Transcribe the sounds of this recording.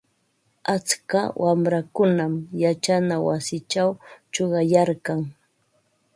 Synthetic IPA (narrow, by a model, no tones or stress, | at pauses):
at͡skawʔamɾakʊnamjat͡ʃanawasɪt͡ʃawt͡ʃoɢɑjaɾkaŋ